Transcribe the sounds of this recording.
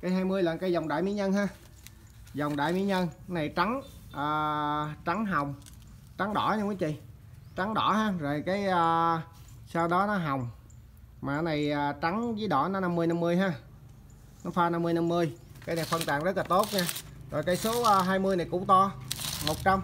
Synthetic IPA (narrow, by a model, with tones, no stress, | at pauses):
kaː˨˦jɦaː˧jmɨ˧əjla̰ː˧˨nkaː˧˦jza˨˩wŋ͡mɗa̰ː˧˨jmḭ˧˥˦ɲə˧nɦaː˧ | za˨˩wŋ͡mɗa̰ː˧˨jmḭ˧˥˦ɲə˧nna˨˩jt͡ɕa˨˦ŋʔəː˨˩t͡ɕa˨˦ŋɦa˨˩wŋ͡m | t͡ɕa˨˦ŋɗɔ̰˧˩ɲa˧ka˨˦t͡ɕḭ˧˨ | t͡ɕa˨˦ŋɗɔ˧˩ɦaː˧zo˨˩jkaː˨˦jəː˧ | sa˧wɗɔ˨˦nɔ˨˦ɦa˨˩wŋ͡m | maː˨˩˦na˨˩jaː˨˩t͡ɕa˨˦ŋzɨ˨˦jɗɔ˧˩nɔ˨˦na˧mːɨ˧əjna˧mːɨ˧əjɦaː˧ | nɔ˨˦faː˧na˧mːɨ˧əjna˧mːɨ˧əjkaː˧jna˨˩jfə˧nt̪aː˨˩mzə˦˥t̚laː˨˩t̪o˦˥t̚ɲaː˧zo˨˩jkaː˨˦jso˨˦ʔːɦaː˧jmɨ˧əjna˨˩jkʊ̰˧˥ŋ͡mt̪ɔ˧mo˨˩t̚t͡ɕa˧m